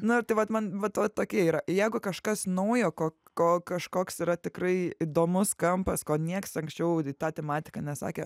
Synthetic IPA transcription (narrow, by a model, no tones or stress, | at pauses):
nʊɪɾt̪ɐɪʋɐt̪mɐnʋɐt̪ʋɐt̪oːkʲiɛiːɾɐjɛɪɡʊkɐʃkɐsnɐʊjoːkoː | koːkɐʃkoːksiːɾɐt̪ʲɪkrɐɪid̪oːmʊskɐmpɐskoːnʲiɛksɐŋksʲt͡ʃʲɛʊt̪ɑːt̪ʲɛmɑːt̪ʲɪ̥kɑnʲɛsɑ̰ːkʲe